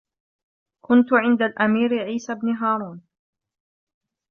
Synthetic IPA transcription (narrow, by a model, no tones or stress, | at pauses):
kʊnt̪ʊʕɪnd̪alʔamiːɾɪʕiːsabnɪɦaːɾˤuːn